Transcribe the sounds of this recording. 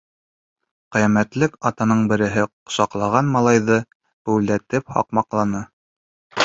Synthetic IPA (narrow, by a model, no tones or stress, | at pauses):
qijæmæt̪lɘkɑt̪ɑnɤɴbɘ̆ɾɘ̆ɦɘqŏ̥sɑqlˠɑʁɑnmɑlˠɑjðɤ | bʉwlæt̪ɘp̚hɑ̰qmɑqlˠɑnɤ